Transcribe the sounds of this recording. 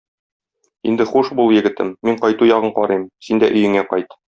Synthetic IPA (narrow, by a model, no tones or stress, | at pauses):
ind̪ɘχuʃbulˠjɘ̆ɡɘ̆t̪ɘ̰mːiɴqɒjt̪ujɒʁɤɴqɒɾɤjmsind̪æʔɵ̆jɘ̆ŋæqɒjt̪